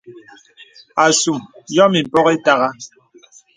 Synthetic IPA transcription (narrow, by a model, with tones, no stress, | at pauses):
a˨su˨mjɔ˦mi˨m̩˨pɔ˦ɣe˦ta˦ɣa˦